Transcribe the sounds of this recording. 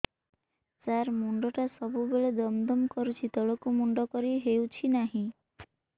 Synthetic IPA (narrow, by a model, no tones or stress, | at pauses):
d͡ʒaɾmuɳɖɔʈasɔbubeɭed̪ɔmd̪ɔmkɔɾut͡ʃʰit̪ɔɭɔkumuɳɖɔkɔɾiɦewt͡ʃʰinaɦĩ